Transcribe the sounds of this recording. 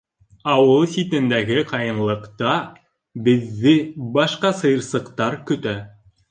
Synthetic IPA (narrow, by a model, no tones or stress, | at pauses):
ɑwɤlˠsʲit̪ɘ̆nd̪æɡɘqʰɑjɤ̆nlˠɤ̆qt̪ɑ | bɘ̆ðːɘbɑʃqɑsɤ̆jɤ̆ɾsɤ̆qt̪ɑɾkɵ̆t̪æ